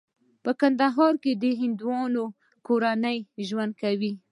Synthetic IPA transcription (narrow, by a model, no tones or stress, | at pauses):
pəkand̪aɦɑɾked̪əɦɪnd̪wɑno | koɾanəjʒwand̪̚kawi